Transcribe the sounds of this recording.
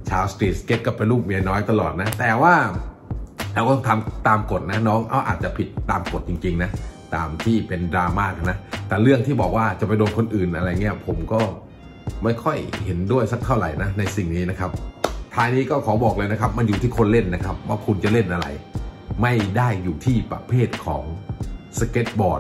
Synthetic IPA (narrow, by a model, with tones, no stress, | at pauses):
t͡ɕʰaː˧wst̪iː˨˩t̪̚ke˦˥t̪̚ka˧˩pa˧jluː˥˩p̚mi˧˩ənɔː˦˥jt̪a˧lɔː˨˩t̪̚na˦˥t̪ɛː˨˩waː˥˩ | ɾɛː˧wːt̪ɔ˧˩t̪ʰa˧mt̪aː˧mko˨˩t̪̚na˦˥nɔː˦˥˩ŋʔa˧˩wʔa̰ː˨˩t̪̚t͡ɕa˨˩pʰi˨˩t̪ːaː˧mko˨˩t̪̚t͡ɕi˧ŋt͡ɕi˧ŋna˦˥t̪a̰ː˧mt̪ʰiː˥˩pe˧ndɾaː˧maː˥˩k̚a˨˩na˦˥t̪ɛː˨˩ɾɯ˥˩əŋt̪ʰiː˥˩bɔː˨˩k̚waː˥˩t͡ɕa˨˩pa˧jdoː˧nkʰo˧nʔɯː˨˩nʔa˧ɾa˧jŋi˦˥ɐpʰo˩˦mkɔː˥˩ | ma˥˩jkʰɔ˥˩jhe˩˦ndu˥˩əjsa˦˥k̚t̪ʰa˥˩wɾa˨˩˦jna˦˥na˧jsi˨˩ŋniː˦˥na˦˥kʰa˦˥p̚t̪ʰaː˧jniː˦˥kɔː˥˩kʰɔː˩˦bɔː˨˩k̚lɤː˧jna˦˥kʰa˦˥p̚ma˧njuː˨t̪ʰiː˥˩kʰo˧nle˥˩nːa˦˥kʰa˦˥p̚waː˧˥˩kʰu˧nt͡ɕa˨˩le˥˩nʔa˧ɾa̰˧jma˥˩jdaː˥˩jːuː˨˩t̪ʰiː˥˩pa̰˧pʰeː˥˩t̪̚kʰɔ̰ː˩˦ŋsa˧ke˦˥t̪̚bɔː˨˩t̪̚